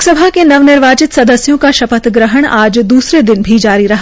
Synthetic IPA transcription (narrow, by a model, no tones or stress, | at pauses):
ksɐbʱakenɐʋnɪɾʋaːt͡ʃɪt̪sɐd̪əsjõkaʃɐpət̪ɡɾəɦəɽ̃aːd͡ʒd̪uːsɾed̪ɪnbʱid͡ʒaːɾiɾɐɦa